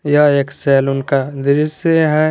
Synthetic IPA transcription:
jaeːksɛːlʊnkad̪ɪɾɪseɦɛ̃

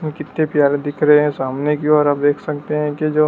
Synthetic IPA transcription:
mkɪt̪nepjaːlẽd̪ɪkʰɾɐɦeɦɛ̃saːmnekiɔːɾaːp̚d̪eːkʰsɐkt̪eɦɛ̃kid͡ʒoː

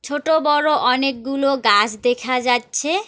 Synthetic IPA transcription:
t͡ɕʰoʈobɔɾoʔɔnek̚ɡuloɡad͡ʑd̪ekʰad͡ʑatːɕʰe

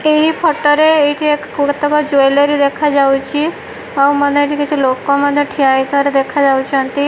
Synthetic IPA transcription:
eɦipʰɔʈɔɾeeʈʰiekt̪ɔkɔd͡ʒojleɾid̪ekʰad͡ʒawt͡ʃʰi | aməneeʈʰikit͡ʃʰilokoməd̪ʱːeʈʰiait̪ʰɔɾed̪ekʰad͡ʒawt͡ʃʰɔ̃nt̪i

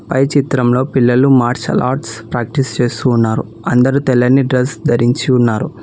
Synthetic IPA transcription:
pɐjt͡ʃit̪ɾɐmlo̞ːpilːɐlumaːɾt͡ʃɐ̰lʔa̰ːʈspɾaːk̚ʈist͡ʃeːst̪uːnːaːɾu | ɐnd̪ɐɾut̪ɛlːɐnːiɖɾɐsd̪ɐɾiɲt͡ʃiunːaːɾu

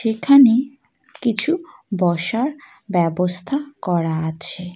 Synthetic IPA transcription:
ʃekʰane | kit͡ɕʰubɔʃaɾ | bɛbost̪ʰakɔɾaat͡ɕʰe

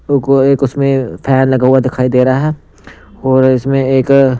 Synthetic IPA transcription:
ʊkoeːkʊsmẽpʰɛːnlɐɡaɦuwad̪ɪkʰaːid̪eːɾaɦɛ | ɔːɾɪsmẽeːk

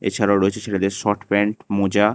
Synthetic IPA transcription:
ḛt͡ɕʰaɾaʊɾoet͡ɕʰeʃeʈʰad̪eɾʃɔʈpɛɳʈmod͡ʑa

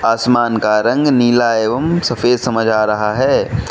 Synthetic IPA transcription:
aːsmaːnkaɾɐ̃ŋɡniːlaːeːʋəmsɐfʰeːd̪sɐməd͡ʒʱaːɾɐɦaɦɛː

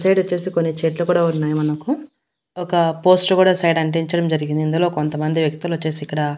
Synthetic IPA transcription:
sɐjɖot͡ʃːe̞ːsikonːit͡ʃeːʈlukuːɽaːunːaːjumɐnɐku | ɔkɐpo̞ːsʈkuːɽaːsɐjɖɐɳʈ̬eɲt͡ʃɐɽɐmd͡ʒɐɾiɡind̪ind̪ulo̞ːkont̪ɐmɐnd̪iʋjɐk̚t̪ulʋɐt͡ʃːe̞ːsiːkːɐɽɐ

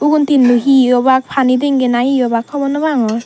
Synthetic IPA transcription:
uɡuntinluɦijɔbak̚pʰanideŋɡenajijɔbakʰːɔbɔnɔbaŋɔj

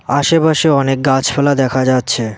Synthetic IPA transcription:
aʃepaʃeɔnek̚ɡat͡ɕfʰɛlad̪ɛkʰad͡ʑatːɕʰe

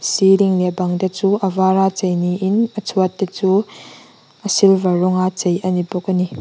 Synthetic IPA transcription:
siliŋlɛbɐŋdet͡suʔəvaɾat͡sejniʔɪnət͡sʰuət̪̚det͡suː | ʔəsilvɐrɔŋat͡sejʔənibɔkəni

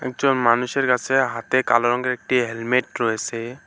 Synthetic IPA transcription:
ɛ̰k̚d͡ʒɔnmanuseɾkasʰeɦat̪ekalɔɾɔŋɡeɾɛk̚ʈiɦelmeʈɾɔɦesɛ

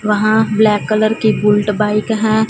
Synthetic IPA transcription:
ʋɐɦãblɛːkːələɾkibʊlʈbaːɪkɦɛ̃ː

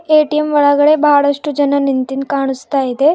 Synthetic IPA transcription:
eʈiemʋəɭaɡɭebaɽəʂʈud͡ʑənanint̪iːnkaɽ̃ust̪ajit̪e

